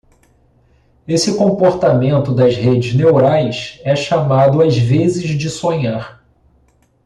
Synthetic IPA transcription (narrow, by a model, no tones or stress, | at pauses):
esɪkõpoɾt̪amẽnt̪ʊd̪ɐzhed͡ʒɪznewɾajsɛʃamad̪ʊazvezɪzd͡ʒɪsõɲaɾ